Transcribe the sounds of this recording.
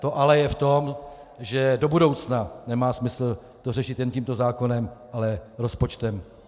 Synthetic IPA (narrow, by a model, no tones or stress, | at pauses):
t̪o̞ʔalɛjɛft̪o̞m | ʒɛdo̞budo̞wt͡snanɛmaːsmɪsl̩ | t̪orɛʃɪt̪jɛnciːmt̪ozaːko̞nɛmʔalɛɾo̞spo̞t͡ʃt̪ɛm